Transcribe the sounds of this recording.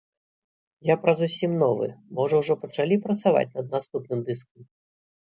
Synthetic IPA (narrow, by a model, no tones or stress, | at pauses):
japɾɐzusʲimnɔvɨ̰mɔʐɔwʐɔpɐt͡ʂalʲipɾɐt̪sava̰t͡sʲnɐd̪̚nast̪upnɨmd̪ɨskɐm